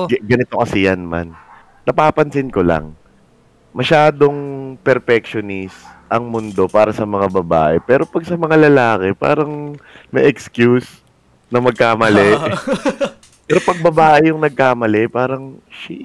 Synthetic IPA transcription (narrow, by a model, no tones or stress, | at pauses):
ɡɐnɪt̪o̞kɐsɪjanma̰n | nɐpaːpɐnsɪnko̞la̰ŋ | mɐʃaːd̪o̞ŋpɛɾfɛkʃonisʔɐŋmʊnd̪o̞paːɾɐsɐmɐŋabɐba̰ːʔɛpɛːɾo̞pɐɡ̚sɐmɐŋalɐlaːkɛpa̰ːɾɐŋmɐ̰ʔɛkskjus | nɐmɐɡ̚kaːmɐlɛ | pɛːɾo̞pɐɡ̚bɐbaːʔɪjʊŋnɐɡ̚kaːmɐlɛpaːɾɐŋʃi